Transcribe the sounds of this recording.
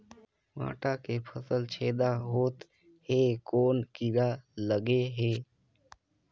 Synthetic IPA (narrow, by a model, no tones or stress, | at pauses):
ma̰ːʈakepʰəsəlt͡ʃʰeːd̪aɦoːt̪ | heːkoːnkɪɾaləɡeɦeː